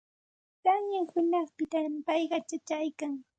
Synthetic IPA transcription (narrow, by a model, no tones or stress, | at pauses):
t̪aŋɲaŋhʊnɑχpɪt̪ampɑjɢɑt͡ʃat͡ʃajkaŋ